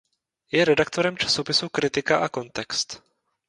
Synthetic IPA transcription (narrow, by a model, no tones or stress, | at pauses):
jɛɾɛdak̚t̪o̞ɾɛmt͡ʃḁso̞pɪsukɾɪt̪ɪkaʔako̞nt̪ɛkst̪